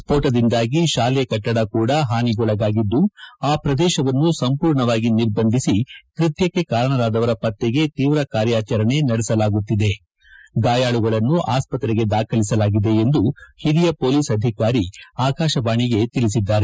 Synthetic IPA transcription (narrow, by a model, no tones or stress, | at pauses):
spoːʈɐd̪ind̪aːɡiʃaːlɛkɐʈːɐɽɐkuːɽɐɦaːniɡɔɭɐɡaːɡid̪ːuaːpɾɐd̪ɛːʃɐʋɐnːusɐmpuːɾɳɐʋaːɡiniɾbɐnd̪ʱisikɾit̪jɐkːe̞kaːɾɐɳɐɾaːd̪ɐʋɐɾɐpɐt̪ːeɡe̞t̪iːʋɾɐkaːɾjaːt͡ʃɐɾɐɳe̞nɐɽɛsɐlaːɡut̪ːid̪e̞ | ɡaːjaːɭuɡɐɭɐnːuʔaːspɐt̪ɾeɡe̞d̪aːkʰɐlisɐlaːɡid̪e̞end̪uhid̪ijɐpo̞ːliːsɐd̪ʱikaːɾiaːkaːʃɐbaːɳiɡe̞t̪ilis̬id̪ːaːɾe